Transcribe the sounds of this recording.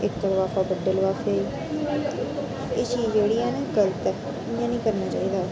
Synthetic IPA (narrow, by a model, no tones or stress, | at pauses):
ɪkt̪oːlʋaːfaːbəɖːəlʋaːfʰːiː | ɪʃiːd͡ʒeːɽijãːnẽːɡəlt̪ɛ | ɪjãːnĩːkəɾnaːt͡ʃa̰ːiːd̪aː